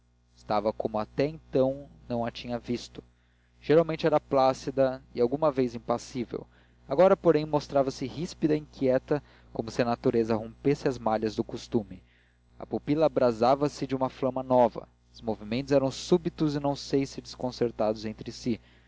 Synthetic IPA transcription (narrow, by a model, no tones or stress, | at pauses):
ɪst̪avɐkomʊat̪ɛẽnt̪ɐ̃w̃nɐ̃w̃ɐt͡ʃĩɲɐvist̪ʊ̥ | ʒ̥eɾawmẽnt͡ʃɪɛɾɐplasid̪ɐɪawɡũmɐvejzĩpasivḛw | aɡɔɾɐpoɾẽj̃most̪ɾavɐsɪhispid̪ɐĩŋkiɛt̪ɐ | komʊsɪɐnat̪uɾezɐɦõpesɪɐzmaʎɐzd̪ʊkost̪umɪ | ɐ̰pupilɐːbɾazavɐsɪd͡ʒɪũmɐflɐ̃mɐnɔvɐ̰ | ʊzmovimẽnt̪ʊzɛɾɐ̃w̃subit̪ʊzɪnɐ̃w̃sejsɪd͡ʒɪskõseɾt̪ad̪ʊzẽnt̪ɾɪsi